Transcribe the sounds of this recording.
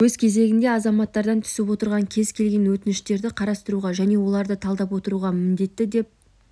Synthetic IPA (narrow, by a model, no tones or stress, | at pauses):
wɵzkʲʰe̞ze̞ɡʲɪnd̪e̞ɑzɑmɑt̪ːɑɾd̪ɑnt̪ʰʏ̥sɪpwo̞t̪əɾʁɑŋkʲʰe̞zkʲʰe̞lɡʲe̞nwɵt̪ɪnɪʃt̪e̞ɾd̪ɪqʰɑɾɑst̪əɾuʁɑʒæne̞wo̞lˠɑɾd̪ət̪ʰɑlˠd̪ɑpwo̞t̪əɾuʁɑmɪnd̪e̞t̪ːɪd̪e̞p̚